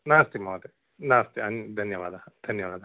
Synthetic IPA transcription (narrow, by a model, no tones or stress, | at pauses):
naːst̪imoːt̪e | naːst̪iɐnd̪ʱɐnjɐʋaːd̪ɐd̪̥ʱɐnjɐʋaːd̪ɐ